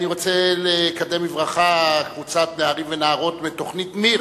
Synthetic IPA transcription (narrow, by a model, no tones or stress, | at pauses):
niʁo̞t͡selekad̪emivʁaχakvut͡sat̪neaʁimvenaaʁo̞t̪bet̪oχnitmiʁ